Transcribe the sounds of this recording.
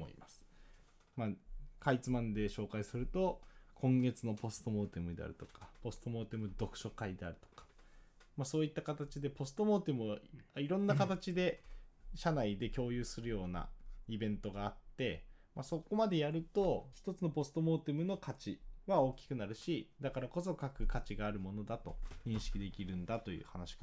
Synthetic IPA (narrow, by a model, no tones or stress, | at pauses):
o̰ḭmasɨ̥ | makait͡sɨmãnd̪e̞ɕo̞ːkaisɨɾɯ̟t̪o̞kʰõ̞ŋɡe̞t͡sɨno̞po̞sɨ̥t̪o̞mo̞ːt̪emɯ̟d̪e̞̰a̰ɾɯ̟t̪o̞kḁpo̞sɨ̥t̪o̞mo̞ːt̪emɯ̟d̪o̞kɯ̟̥ɕo̞kaid̪e̞a̰ɾɯ̟t̪o̞̥kḁ | maso̞ːit̪ːakat̪at͡ɕid̪e̞po̞sɨ̥t̪o̞mo̞ːt̪emɯ̟aaiɾõ̞nːakat̪at͡ɕid̪e̞ɕanaid̪e̞kʲo̞ːjɯ̟ːsɨɾɯ̟jo̞ːna̰ibẽ̞nt̪o̞ɡaːt̪ːe̞maso̞ko̞mad̪e̞jaɾɯ̟t̪o̞çi̥t̪o̞t͡sɨno̞po̞sɨ̥t̪o̞mo̞ːt̪emɯ̟no̞kat͡ɕiβao̞ːkʲi̥kɯ̟naɾɯ̟ɕid̪akaɾako̞so̞kakɯ̟kat͡ɕiɡaːɾɯ̟mo̞no̞d̪at̪o̞̰ɲĩɰ̃ɕi̥kʲid̪e̞kʲiɾɯ̟̃nd̪at̪o̞jɯ̰ːhanaɕi̥ka